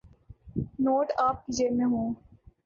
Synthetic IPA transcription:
noːʈaːp̚kid͡ʒeɾmẽɦõː

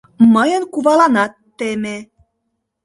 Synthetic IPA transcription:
məjə̆nkuβɑlɑnɑt̪ːeme

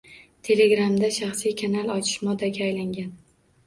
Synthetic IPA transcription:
t̪ʰe̞le̞ɡɾamd̪aʃaχsijkʰanalˠɒt͡ʃʰɪ̥ʃmɒd̪aɡʲaːjlaŋɡʲan

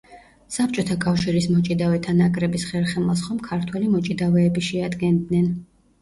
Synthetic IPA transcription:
sapʰt͡ʃʼɔt̪ʰakʼafʃiɾismɔt͡ʃʼid̪avɛt̪ʰanakʼɾɛbisχɛɾχɛmasχɔmkʰaɾt̪ʰwɛlimɔt͡ʃʼid̪avɛːbiʃɛad̪ɡɛnd̪nɛn

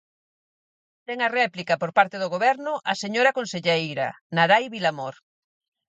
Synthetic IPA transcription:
t̪ɛŋɐrɛplikɐpoɾpaɾt̪eðʊɣoβɛɾnʊʔɐseɲoɾɐkonseʎejɾɐ̰naɾajβilamoɾ

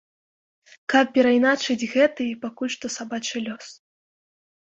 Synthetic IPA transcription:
kapːʲɛɾajnat͡ʂɨd͡zʲɣɛt̪ɨipakulʲʂt̪ɔsabat͡ʂɨlʲɔs

